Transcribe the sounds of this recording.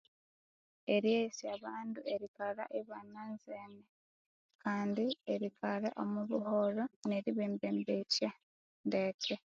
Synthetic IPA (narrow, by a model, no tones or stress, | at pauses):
e̞ɾjesiaβaːndue̞ɾikaɾa̰ʔeβananzeːne | kaːndieɾikaɾa̰ʔomuβuhoɾone̞ɾiβeːmbeːmbeca | ndece